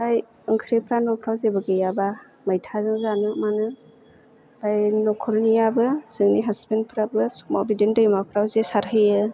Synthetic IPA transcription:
aj | ɯŋkʰɾepʰɾanɔpʰɾawzebɯɡɯjaba | majtʰazɯŋzanɯmanɯ | b̥ajnɔkʰɔɾnijabɯz̥ɯŋniɦasbenpʰɾabɯsmɔbidendɯjmapʰɾawzesaɾɦɯjɯ

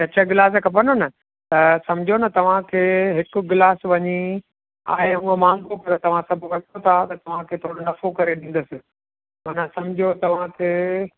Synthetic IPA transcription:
ɐt͡ɕʰəɡɪlaːs̬ekɐp̬ɐnonɐ | t̪ɐsɐ̃md͡ʑʱonɐt̪ɐʋ̤ãkʰeːɦɪkʊ̆ɡɪlaːsʋɐɲi | a̰ːɦeũə̃mãːŋkopɐɾt̪ɐʋ̤ãsɐbʱʊ̆ʋɐʈʰot̪ʰat̪ɐt̪ɐʋ̤ãkʰeːt̪ʰoːɽonɐfokɐɾeɗĩn̆d̪əsɪ̆ | mɐːnãsɐmd͡ʑʱot̪ɐʋ̤ãkʰeː

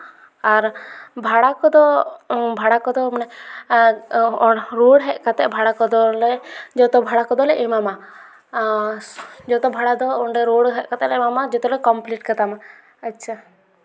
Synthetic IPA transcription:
aɾbʱaɽakɔd̪ɔbʱaɽakɔd̪ɔmnɛ | ɔɾoɽɦɛʔkat̪ɛʔbʱaɽakɔd̪ɔlɛd͡ʒɔt̪ɔbʱaɽakɔd̪ɔlɛʔimama | d͡ʒɔt̪ɔbʱaɽad̪ɔɔɳɖɛɾoɽɦɛʔkat̪ɛlɛmamad͡ʒɔt̪ɔlɛkɔmpliʈkat̪ama | ətːt͡ʃʰa

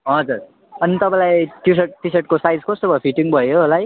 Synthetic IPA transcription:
ɦʌd͡zur | ʌnit̪ʌpãj̃lajʈis̬eʈ̚ʈiseʈ̚kosajd͡zkʌst̪obʌpʰiʈiŋbʱʌjoɦolaj

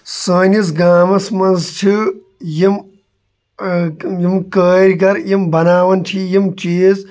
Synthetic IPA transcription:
saːnizɡaːmɐsmɐnzt͡ʃʰi | jim | jimkəːɾʲɡɐɾjimbɐnaːʋɐnt͡ʃʰijimt͡ʃiːz

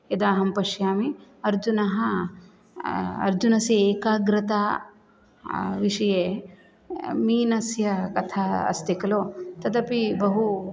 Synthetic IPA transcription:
jɐd̪aːɦɐmpɐʃjaːmiɐɾd͡ʒunɐɦɐ | ɐ̰ɾd͡ʒunɐsieːkaːɡɾɐt̪aː | ʋiʂɐjeː | miːnɐsjɐkɐt̪ʰaːɐ̰st̪ikɐloːt̪ɐd̪ɐpibɐɦu

